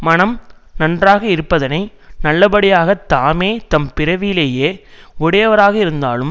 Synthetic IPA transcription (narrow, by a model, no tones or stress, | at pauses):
mɐnɐm | nɐndraːɣɐɪɾɯpːɐðɐnɐɪ | nɐlːɐbɐɽɪjaːɣɐt̪ːaːmeːt̪ɐmpɪɾɐʋɪjɪleːjeːʊɽɐjɐʋɐɾaːɣɐɪɾɯnd̪a̰ːlɯm